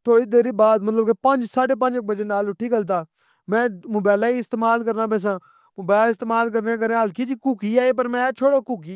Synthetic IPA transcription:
t̪ʰoːɽiːd̪eːɾiːbaːd̪mət̪ləbkeːpə̃nd͡ʒsaːɖeːp̬ə̃nd͡ʒɪk̚bəd͡ʒeːnaːlʊʈʰːiːkəlt̪̬aː | mɛ̃ːmʊbaːlaːiːɪst̪eːmaːlkəɾnaːpɛ̃ːs̬ãː | mʊbaːlɪst̪eːmaːlk̬əɾneːk̬əɾẽːɦəlkiːd͡ʒiːkʊːkiːaːeːp̬əɾmɛ̃ːt͡ʃʰoːɽoːkʊːkiː

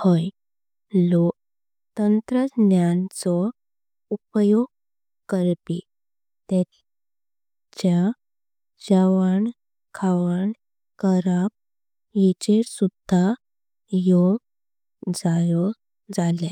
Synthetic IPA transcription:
hɔj | lok | t̪ənt̪ɾənjant͡sɔ | upjoɡ̚ | kəɾpi | t̪ɛ | t͡ɕja | d͡ʑəʋaɳ | kʰaʋəɳ | kəɾap̚ | jit͡ɕesud̪ʱa | joɡ | d͡zajɔ | d͡zalẽ

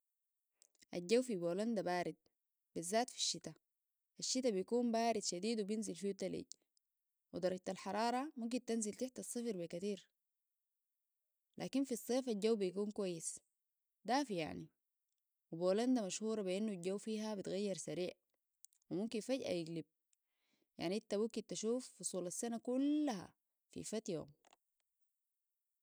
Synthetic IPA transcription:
ʔaɟːawfiboːland̪abaːɾid̪̚ | b̥izːaːt̪fi̥ʃːit̪a | ʔaʃːit̪abijkuːmbaːɾid̪ʃad̪iːd̪wibinzilfijut̪alḭɟ | wid̪ɑɾˤɑɟ̚t̪alħɑɾˤɑːɾˤɑmumk̬int̪anzilt̪aħt̪ɑsˤːɨfɾbikat̪iːɾ | lʔa̰ːkinfisˤːeːfaɟawːbijkuːnkwajːis | d̪aːfija̰ʕni | wiboːland̪amaʃhuːɾˤɑbiʔinːulɟawːfiːɦabit̪ɣajːɑɾsaɾiːʕ | wimumkinfaɟʔa̰jiɡlib̚ | ja̰ʕniʔint̪amukint̪aʃuːfːusˤuːlasːanakulːaɦa̰ | fḭfat̪jo̰ːm

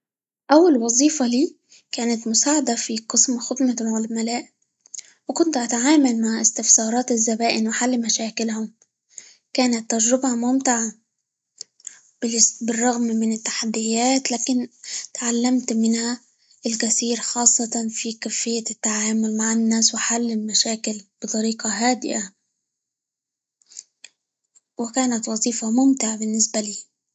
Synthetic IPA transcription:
ʔawːalwɑzˤiːfɑliː | kaːnat̪mʊsaːʕad̪afiqɨsmxʊd̪mawʕalmalaːʔ | wɪkʊnt̪ʔat̪aʕaːmalmaʕʔɪst̪ɪfsɑːɾˤɑːt̪ɪzːabaːʔɪnwɪħalːmaʃaːkɪlhʊm | kaːnat̪ːad͡ʒɾɪbhamʊmt̪ɪʕa | bbɪrˤːɑɣmmɪnɪt̪ːḁħad̪ːɪjaːt̪laːkɪnt̪ʕalːamt̪mɪnha | ʔɪlkasiːɾxɑːsˤːɑt̪ˤɑnfikafɪjːat̪ːaʕaːmʊlmaʕɪnːaːswɪħalːɪlmaʃaːkɪlb̥ɨt̪ˤɑɾiːqɑɦaːd̪ɪ̰ʔa | wɪkaːnat̪wɑzˤiːfɑmʊmt̪ɪʕabɪnːɪsbaliː

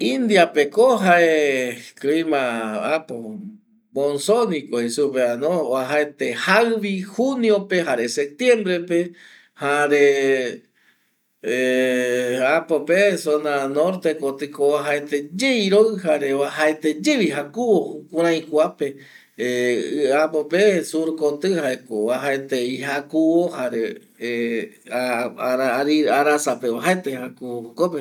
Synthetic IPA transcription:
ĩnd̪japekoɦaeklimãapo | mõnsonikoisupeanoaɦaet̪ehawβihuniopeɦaɾesep̚t̪je̞mbɾepe | haɾe | apopesonanoɾt̪ekot̪ɨkoaɦaet̪ed͡ʒejɾoɨhaɾewahaet̪ed͡ʒeβiɦakuwoukuɾ̃ãj̃kʷape | apopesuɾkot̪ɨhaekoaɦaet̪eiɦakuwohaɾe | ɾaɾiaɾasapeaɦaet̪ehakuoukope

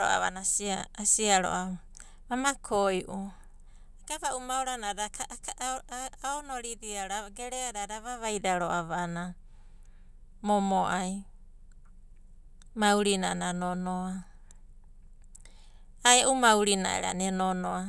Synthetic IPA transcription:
o̰ʔa̰βa̰nasiaasiaɾo̰ʔa | βamakʰojʔu | akaβaʔumawɾanaɾak | aonoɾidiaɾaɡeɾeaɾaɾaβaβajdaɾoʔaβana | momoʔaj | mauwɾinananonoa | aeʔumawɾina̰ʔḛɾa̰nenonoa

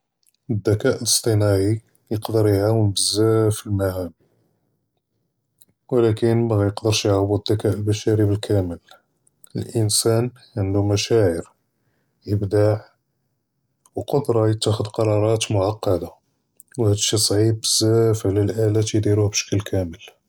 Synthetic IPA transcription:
əd̪ːækæʔləst̪ˤənæʕi | jəqd̪əɾjʕawəmbəzːæfilmæhæm | wlækənmæɣæjəqd̪əɾʃjʕabud̪ːækæʔlbæʃæɾibəlkʰæməl | əlʔənsæn | ʕənd̪umæʃæʕəɾ | jəbd̪aʕ | wqɑd̪ɾˤɑjət̪ːæxəd̪qɑɾˤɑɾˤɑt̪mʊʕɑqːɑd̪a | whæd̪əʃisˤʕib̚bəzːæfʕlælʔælæt̪jd̪iɾuhbʃə̥kːəlkʰæməl

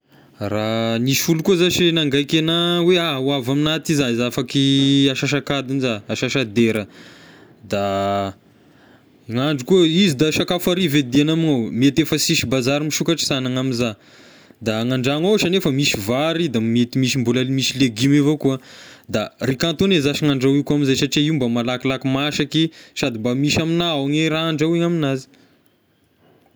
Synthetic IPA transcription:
raniʃfulukuzaʃnaŋɡajkenaweawavaminat̪izaizafakiaʃaʃ̬akad̪inzaaʃaʃad̪eɾə | d̪a | ŋaɳɖ͡ʐikuəizid̪aʃakafaɾived̪ianaminowmiet̪efəsiʃibazaɾimiʃukaʈ͡ʂsanaŋamiza | d̪aŋaɳɖ͡ʐaŋawsanefəmiʃivaɾid̪ammet̪imiʃimbulalimiʃileɡimevokuəd̪arikãnt̪onezaʃiŋaɳɖ͡ʐawikuaminzajsaʈ͡ʂiaiumbəmalakilakimaʃakiʃad̪imbamiʃaminaawŋeɾaɳɖ͡ʐawiŋaminazi̥

